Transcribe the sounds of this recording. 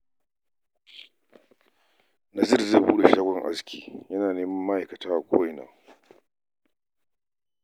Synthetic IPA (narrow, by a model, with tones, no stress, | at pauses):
na˨sɪ˦˨rzeː˦˨buː˦ɗe˨ʃaː˦ɡʷɔ˦˨ŋʔa̰˦skʲʰiː˦jɐ˦naː˨neː˦mɐ˦mːa˦ʔa˨jkɐ˨taː˦ʔa˨kʷʰo̰ː˦jɪ˨na̰ː˨